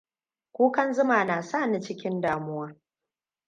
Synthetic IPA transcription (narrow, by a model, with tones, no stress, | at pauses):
kʷuː˦kɐ˦nzʊ˦maː˨naː˨saː˦˨ni˦t͡ʃɪ˦kʲɪ˦ndaː˨mʊ˦wɐ˦r